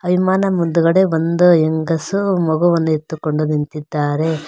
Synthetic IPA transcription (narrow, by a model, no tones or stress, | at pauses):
ɐʋʱimaːnɐmund̪uɡɐɽe̞ʋond̪ueŋɡɐsumɐɡuʋɐnːuet̪ːukoɳɖod̪int̪id̪ːaːɾe̞